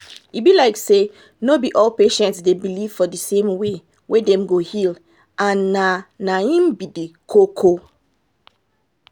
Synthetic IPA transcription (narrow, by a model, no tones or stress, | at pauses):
ibilaɪkse | nobiʔɔlpeʃɛ̃ntsdebiliv̥fɔdisẽmwe | wedɛ̃mɡohil | ãnːanaĩmbidikʰokʰo